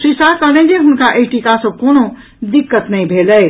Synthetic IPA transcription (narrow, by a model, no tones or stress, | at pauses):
sisakəlẽnd͡ʒẽɦʊnkaʔejʈikasə̃kono | d̪ikːət̪nəibʱelɛɪ